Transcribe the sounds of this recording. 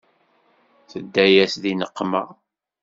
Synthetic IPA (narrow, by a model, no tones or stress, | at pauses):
θəd̪ːæjæsðinəqːmæ̰